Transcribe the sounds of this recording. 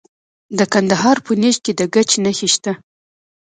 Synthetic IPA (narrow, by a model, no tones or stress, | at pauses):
d̪əkand̪aɦɑɾpəneʃ̚ked̪əɡat͡ʃnaxiʃt̪a